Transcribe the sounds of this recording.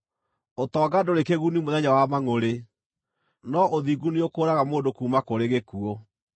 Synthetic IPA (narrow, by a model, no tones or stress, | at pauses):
otɔːɡadoɾekeɣunimoðɛɲawamaŋoɾe | nɔʔoðiɡuneokoɾaɣamoːndokuːmakoɾeɣekuɔ